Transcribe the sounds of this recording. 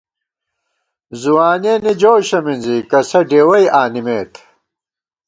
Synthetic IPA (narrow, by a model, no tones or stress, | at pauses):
zuwaːneːnid͡ʑoːɕɐminzikɐsɐɖeːwɐjʔaːnimeːt̪ʰ